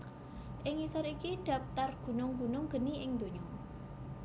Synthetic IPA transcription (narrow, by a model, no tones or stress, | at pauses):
ʔɪŋisɔɾikiɖ̥a̤p̚t̪arɡ̥ṳnʊŋɡṳnʊŋɡ̥ə̤niʔɪŋd̪̥o̤ɲɔ